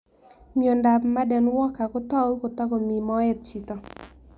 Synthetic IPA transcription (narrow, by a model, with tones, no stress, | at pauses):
mjo˨nda˨pma˦dɛ˨nwɔ˦ka˨kɔ˦t̪ɔ˦wu˦kɔ˨t̪ɔ˦ɡɔ˨mi˨mɔ˦ɛ˦t̪̚t͡ʃi˨t̪ɔ˨